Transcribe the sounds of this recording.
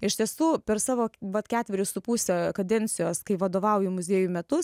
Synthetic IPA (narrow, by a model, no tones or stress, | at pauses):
ɪʃʲt̪ʲiɛsuːpʲɛɾsɑːʋoːʋɐt̪kʲæːt̪ʲʋʲɛɾʲʊsʊpuːsʲekɐd̪ʲɛnʲsʲɪjoːskɐɪʋɐd̪oːʋɐʊjʊmʊzʲiːjumʲɛt̪ʊs